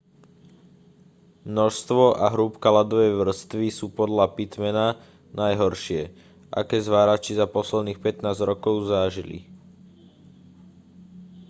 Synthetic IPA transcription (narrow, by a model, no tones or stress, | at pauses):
mnɔʃst̪ʋɔʔaɦɾuːpkalad̪ɔʋɛjʋr̩st̪ʋisuːpɔd̪lapit̪mɛna | najɦɔɾʃɪɛ | ʔa̰kɛːzʋaːɾat͡ʃizapɔslɛd̪niːxpɛt̪naːzɾɔkɔʊzaʒilḭ